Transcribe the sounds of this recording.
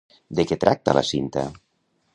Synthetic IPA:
d̪eket̪ɾʔak̚t̪ala̰sint̪a̰

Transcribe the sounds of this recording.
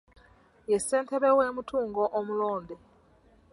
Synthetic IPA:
jeseːntʰeβeweːmutʰuːŋɡoʔomuloːnde

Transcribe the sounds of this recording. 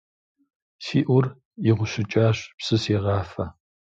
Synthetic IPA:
siːʔʷʊr | iʁʷʊɕɪt͡ʃʼaːɕpsɨseːʁɑːfɐ

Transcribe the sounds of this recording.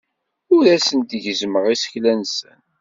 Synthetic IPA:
ʊɾæsənt̪ʝəzməʁisə̥çlænsən

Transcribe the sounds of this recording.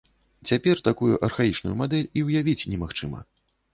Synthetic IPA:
t͡sʲapʲɛrt̪akujuʔɐrxajit͡ʂnṵjumad̪ɛlʲiwjavʲit͡sʲnʲɛmaxt͡ʂɨmɐ̰

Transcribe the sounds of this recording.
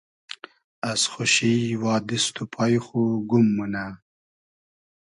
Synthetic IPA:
asxʊʃiwɑːd̪ist̪upʰɑjxuɡumːuna

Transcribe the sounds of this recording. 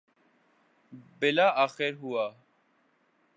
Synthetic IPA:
bɪlaːʔaːxeɾɦuaː

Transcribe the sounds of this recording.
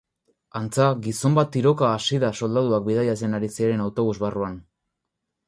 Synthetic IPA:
ant͡saɡiso̞mbat̪iɾo̞kaːsiðaso̞ld̪aðuak̚bið̞ajase̞naɾisieɾe̞nawt̪o̞β̞uzβaruan

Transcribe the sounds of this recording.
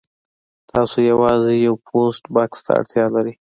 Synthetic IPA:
t̪ʰɑsojawɑzejawpʰosʈbɑkst̪ʰa̰a̰ɽt̪jɑlaɾi

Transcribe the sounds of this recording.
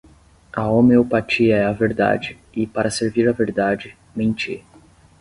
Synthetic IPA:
ɐomeopat͡ʃiɐɛɐveɾd̪a̰d͡ʒɪ | ɪpaɾɐseɾviɾɐveɾd̪ad͡ʒɪ | mẽt͡ʃḭ

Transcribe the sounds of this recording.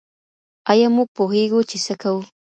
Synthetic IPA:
ajamʊpʊxɪɡʊt͡ʃɪsakaw

